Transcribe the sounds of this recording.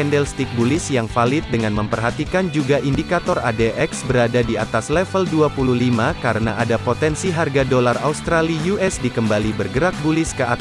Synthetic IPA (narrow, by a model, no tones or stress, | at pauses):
ɛndɛlst̪ik̚bulɪsjaŋfalɪt̪̚dəŋanməmpərɦat̪ikand͡ʒuɡaʔindikat̪ɔra̰deʔɛksbəɾadadiat̪aslɛfəlduapuluhlimakaɾəna̰ʔadapot̪ɛnsiɦarɡadolara̰ust̪ɾalijuʔɛsdikəmbalibərɡəɾak̚bulɪskəʔa